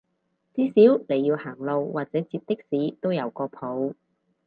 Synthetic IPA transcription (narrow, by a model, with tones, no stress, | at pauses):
t͡siː˥siː˨˥wne˨˧jiː˧whaː˨˩ŋlo˧wwaː˨k̚t͡sɛː˨˥t͡siː˧p̚t̪ɪ˥k̚siː˨˥t̪o˥wjɐ˨˧˥wkɔː˧pʰo˨˧w